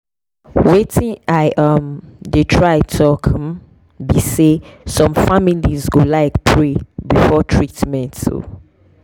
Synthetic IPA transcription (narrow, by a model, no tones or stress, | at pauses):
wetʰĩnaɪʔamdetʰɹaɪtʰɔkʰm | bisesɔ̃mfamilizɡolaɪkpʰɹebifɔtʰɹitmɛ̃nto̰